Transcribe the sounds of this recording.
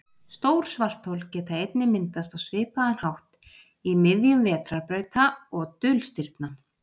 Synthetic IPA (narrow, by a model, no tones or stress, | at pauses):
st̪oːwɾ̥svar̥t̪howlcɛːt̪aejt̪nɪmɪnt̪ast̪awsvɪːpaðanhawht̪ | imɪðjʏmvɛːt̪ɾaɾpɾœːɥt̪aɔɣt̪ʏlst̪ɪɾt̪na